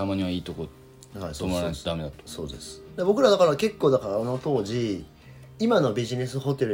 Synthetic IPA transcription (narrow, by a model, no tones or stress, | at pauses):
t̪amaɲ̟iβaiːt̪oko | haisomaɾasd̪ame̞d̪at̪o̥so̞ːd̪e̞sɨ̥d̪ebo̞k̬ɯ̟ɾad̪akaɾake̞kːo̞ːd̪akaɾaono̞t̪o̞ːʑi | imano̞bʲiʑine̞sɨɦo̞t̪e̞ɾɯ